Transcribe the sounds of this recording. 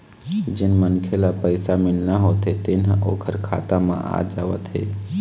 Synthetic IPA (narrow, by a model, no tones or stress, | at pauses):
d͡ʒɪnmənkʰelapəɪsamɪlnaɦoːt̪et̪ɪnɦʔo̰ːkʰəɾkʰa̰ːt̪amã̰ʔa̰ːd͡ʒaːʋət̪ɦḛː